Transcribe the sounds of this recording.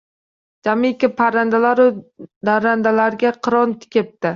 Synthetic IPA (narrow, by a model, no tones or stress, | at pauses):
d͡ʒamɪkʲɪpʰaɾand̪alaɾʊd̪aɾand̪alaɾɡʲaqʰɨɾɒnt̪ʰɪ̥kʲep̚t̪ɪ